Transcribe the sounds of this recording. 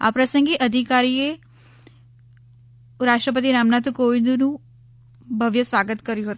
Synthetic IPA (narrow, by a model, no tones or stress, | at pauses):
a̰pɾəsə̃ŋɡiʔəd̪ʱikaːɾie | ɾaːʃʈɾəp̬ət̪̬iɾaːmnat̪koʋind̪unũ | bʱəʋjəsʋaːɡət̪kəɾjũɦət̪